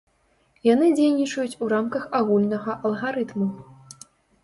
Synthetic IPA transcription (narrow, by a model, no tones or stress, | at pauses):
jan̪ɨd͡zʲejnʲit͡ʂɐjut͡sʲuɾamkɐxaɣulʲnɐɣɐʔɐlˠɣaɾɨt̪mu